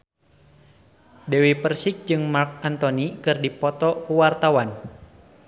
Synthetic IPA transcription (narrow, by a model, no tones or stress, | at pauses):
dewipərsik̚d͡ʒɨŋmark̚ant̪ɔnikɨrdipɔt̪ɔkuwart̪awan